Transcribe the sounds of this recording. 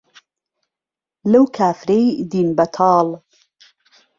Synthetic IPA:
lɐwkʰaːfɾejd̪iːnbɐt̪ʰɑːl

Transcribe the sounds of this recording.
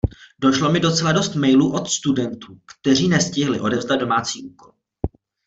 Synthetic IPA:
do̞ʃlo̞mɪdo̞t͡sɛlado̞st̪mɛjluːʔo̞t̪st̪udɛnt̪uːkt̪ɛr̝iːnɛscɪɦlɪʔo̞dɛvzdad̪do̞maːt͡siːʔuːko̞l

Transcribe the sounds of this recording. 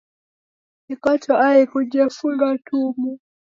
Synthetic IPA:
ikatɔʔaikuʄafuŋɡatʰumu

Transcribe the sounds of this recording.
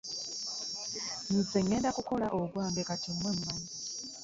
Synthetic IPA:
nizeŋːeːndakuko̞laʔoɡwaːmbekatimwemumamu

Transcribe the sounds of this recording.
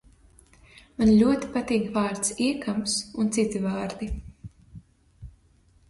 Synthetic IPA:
manlʲuɔt̪i̥pat̪iːɡvaːɾt̪siɛkamsunt̪sit̪ivaːɾd̪i

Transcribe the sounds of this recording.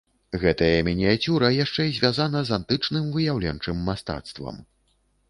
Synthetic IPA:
ɣɛt̪ɐjɐmʲɛnʲɛjat͡sʲuɾɐjaʂt͡ʂɛizʲvʲazanɐzant̪ɨt͡ʂnɨmvɨjawlʲɛnt͡ʂɨmːast̪a̰t̪st̪vɐ̰m

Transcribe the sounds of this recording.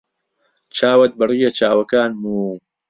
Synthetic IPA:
t͡ʃʰaːwɐt̪̚bɨriːjɐt͡ʃaːwɐkaːnmuː

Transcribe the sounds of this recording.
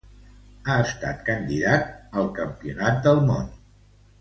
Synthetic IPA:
aəst̪a̰t̪kənd̪iðat̪̚əlˠkəmpiunat̪̚d̪əlˠmo̰n

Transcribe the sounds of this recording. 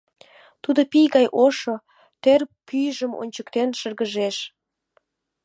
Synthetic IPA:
t̪ud̪opijɣɑjʔoʃo | t̪erpyjʒəmo̰nʲt͡ɕəkt̪enʃərɣəʒeʃ

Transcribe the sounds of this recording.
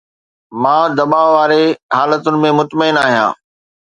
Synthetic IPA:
mãːd̪ɐɓaːʋaːɾeɦaːlət̪ʊnɪ̆mẽmʊt̪məɪnaːɦijã̰ː

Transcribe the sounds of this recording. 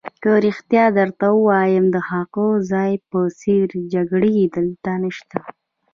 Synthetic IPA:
kəɾixt̪jɑd̪əɾt̪awəwɑjəmd̪əhɑqozɑjpəseɾd͡ʒaɡɽid̪əlt̪anəʃt̪a

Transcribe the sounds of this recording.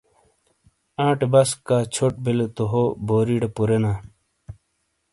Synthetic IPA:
ãːʈebɐskːaːt͡ɕʰoʈ̚belet̪oɦoboːɾiɖɐpuɾenaː

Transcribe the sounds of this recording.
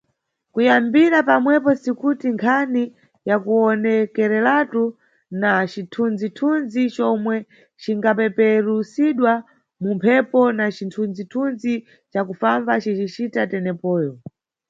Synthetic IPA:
kujambiɾapamwɛpɔsikutiŋkʰani | jakuɔnɛkɛɾɛlatu | nat͡ʃitʰund͡zitʰunzit͡ʃɔmwɛ | t͡ʃiŋɡapɛpɛɾusiɗwa | mumpʰɛpɔnat͡ʃintʰund͡zitʰunzi | t͡ʃakufambat͡ʃit͡ʃit͡ʃitatɛnɛpɔːjɔ

